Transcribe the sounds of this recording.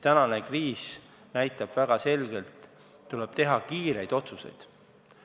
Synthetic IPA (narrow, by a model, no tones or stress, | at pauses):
t̪ænɑne̞kriːs | næjt̪ːˑɑb̥væɡ̥ɑse̞lɡ̥e̞lt̪ː | uleb̥̚t̪e̞ɦɑkiːɾe̞jd̪̥o̞t̪suse̞̰jd̪̥